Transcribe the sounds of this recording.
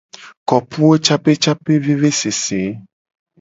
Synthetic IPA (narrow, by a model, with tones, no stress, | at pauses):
kɔ˨pu˦e˦t͡ʃa˦pe˦t͡ʃa˦pe˦ve˦ve˦se˨se˨˦